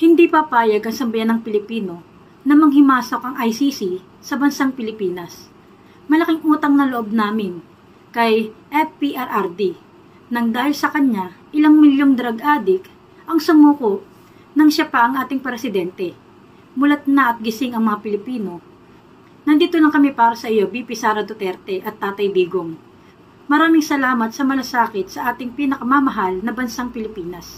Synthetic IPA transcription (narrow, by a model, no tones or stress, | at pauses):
hɪnd̪ipɐpaːjɐɡʔɐŋsɐmbɐjanːɐŋpɪlɪpiːno̞ | nɐmɐɡ̚hɪmaːso̞k̚ʔɐŋʔɐjsisi | sɐbɐnsaŋpɪlɪpiːnɐs | mɐlɐkɪŋʔuːt̪ɐŋnɐloʔob̚naːmɪn | kɐjʔɛt̚piʔaɾʔaɾd̪i | nɐŋd̪aːhɪlsɐkɐɲaʔɪlaŋmɪljoŋd̪ɐɾɐɡʔaːd̪ɪk | ʔɐŋsʊmuːko̞ʔ | nɐŋʃapɐʔɐŋʔaːt̪ɪŋpɐɾɛsɪd̪ɛnt̪ɛ | mʊlɐt̪̚nɐʔɐt̪̚ɡɪsɪŋɐŋmɐŋapɪlɪpiːno̞ | nɐnd̪iːt̪olɐŋkɐmɛpaːɾɐsɐʔɪjo̞bipɪsaːɾɐd̪ot̪ɛɾt̪ɛʔɐt̪ːaːt̪ɐjb̪iːɡoŋ | mɐɾaːmɪŋsɐlaːmɐt̪̚sɐmɐlɐsaːkɪt̪sɐʔaːt̪ɪŋpiːnɐkɐmamɐɦalnɐbɐnsaŋpɪlɪpiːnɐs